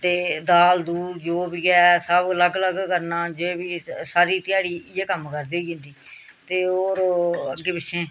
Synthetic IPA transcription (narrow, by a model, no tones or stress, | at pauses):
t̪eːd̪aːld̪uːɾd͡ʒoːbiːɡasəbləɡləɡkəɾnaːd͡ʒebiːsaːɾiːt̪ɪjaːɽiːɪjeːkəmkəɾd̪eːd͡ʒɪ̃ːnd̪iː | t̪eːoːɾəɡːeːpɪt͡ʃʰẽː